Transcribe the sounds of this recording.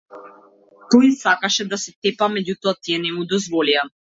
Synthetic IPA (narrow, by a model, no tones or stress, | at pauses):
k̪ɔisakaʃɛd̪asɛt̪ɛpamɛɟut̪ɔat̪iɛnɛmud̪ɔzvɔlia